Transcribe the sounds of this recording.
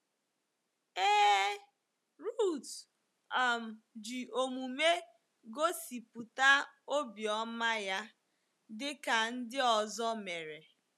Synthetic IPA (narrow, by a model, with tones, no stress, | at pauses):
eː˦ | ɾu˦˨t | a˨m̩˨ | d͡ʒi˨o˨mu˨me˦ | ɡo˦si˨pu˨ta˦o˦bjɔ˦ma˦ja˦ | dɪ˦ka˨n̩˦dɪ˦ɔ˨zɔ˦me˨ɾe˨